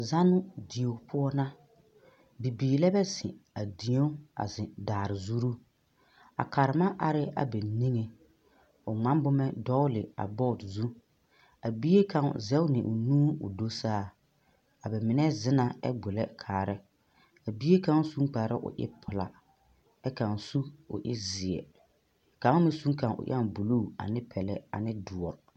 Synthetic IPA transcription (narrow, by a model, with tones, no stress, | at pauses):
za˦nʊ˦di˨o˨pʰʊ˦ɔ˦na˦ | bi˨biː˨lɛ˦bɛ˦sɪ̰˨a˨di˨o˦a̰˨zɪ˨daː˨ɾɪ˨zu˦ɾu˦ | a̰˨ka˨ɾɪ˨ma˦ʔa˨ɾɪ˦a̰˨bɛ˨ni˦ŋe˨ | ʊ˨ŋ͡mã˦mbʊ˦mɛ˦dɔ˦ʊ˦lɪ˨a̰˨bɔ˦˨tzu˦ | a˨bi˦e˦ka˨ŋ˨zɛ˦wnɪ˨ʔʊ˨nũː˦ʊ̰˨do˦saː˦˨ | a˨bɛ˨mɪ˨nɛ˦zɪ˦na˨ɛ̰˦ɡ͡bʊ˨lɛ˦kʰaː˨ɾɪ˦ | a˨bi˦e˦ka˦ŋ˦su˦ŋk͡pa˨ɾɪ˦ʔʊ̰˨ʔɪ̰˦pʰʊ˨la̰˨ | ɛ˦ka˨n˨su˦ʊ̰˨ʔɪ̰˦zi˨ɛ̰˨ | ka˨˦a˦mɪ˦su˦ŋkã˨nʊ̰˨ʔa˦˨bu˨lu˦˨a̰˨nɪ˦pʰɛ˨lɛ˨a̰˨nɪ˦du˨ɔ˨ɾ